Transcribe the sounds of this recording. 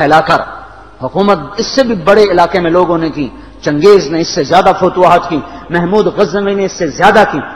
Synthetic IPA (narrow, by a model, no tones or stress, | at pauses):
ɛːlakɐɾ | hʊkuːmət̪̚ɪsːebʱibɐɽeɪlaːkemẽloːɡõnekĩː | t͡ʃɐ̃ŋɡeːzneɪsːezjaːd̪afoːt̪uaɦət̪kĩmɛɦmuːd̪ɣɐzəmineɪsːezjaːd̪akĩː